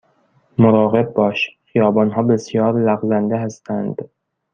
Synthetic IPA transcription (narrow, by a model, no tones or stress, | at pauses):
moɾɒːɣe̞b̚ːɒːʃxijɒːbɒːnɦɒːbe̞sjɒːɾlæɣzænd̪eɦæst̪ʰænd̪̥